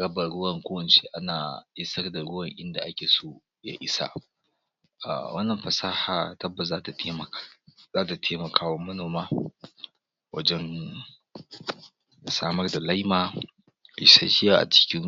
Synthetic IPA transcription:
ɽɐ˦bɐ˨ɽʊ˦wɐ˨ŋkʷoː˦wɐ˨nt͡ʃe˦ʔa˦naː˨ʔɪ˦sɐ˦rda˨ɽʊ˦wɐ˨ŋʔɪ˦nda˨ʔa˦kʲeː˨soː˦ | ja̰˦ʔɪ˦sa̰˨ | a̰˨wɐ˦nːɐ˨mɸɐ˨saː˦haː˨tɐ˦bːɐ˨tzaː˦ta˨˦˨zaː˦ta˨tʰeː˦mɐ˨kʰaː˦wɐ˦mːɐ˦noː˨maː˦ | wɐ̰˦d͡ʒɛ˦n | saː˦mɐ˦rda˨la˦jma̰ː˨ | ʃa̰˦ʃɪ˦jaː˦˨ʔa̰˨t͡ʃɪ̥˦kʲɪ˦ŋ

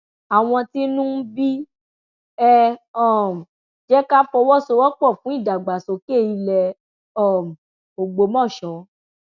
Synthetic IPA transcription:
a˨w̃ɔ̃˧ti˦nũ˦bi˦ | ɛ˦ɔ˦˨m̩˨ | d͡ʒɛ˦ka˦fɔ˧wɔ˦so˧˦wɔ˦k͡pɔ˦˨fũ˦i˦˨da˨ɡ͡ba˨so˧˦ke˦˨i˧lɛ˧ | ɔ˦˨m̩˨ | o˨ɡ͡bo˧˦mɔ̃˦˨ʃɔ̃˨˦

